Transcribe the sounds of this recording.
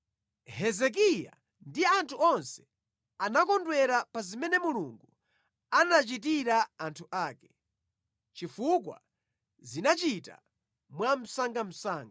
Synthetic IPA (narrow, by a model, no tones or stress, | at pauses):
hɛzɛk̬ija̰ | ndiantʰuɔnsɛ̥ | anakɔndwɛɾapazimɛnɛmuluŋɡu | anat͡ʃit̬iɾaːntʰuʔaːkɛ̥ | t͡ʃifuk̬wa̰ | zinat͡ʃita̰ | mwam̩saŋɡam̩saːŋɡ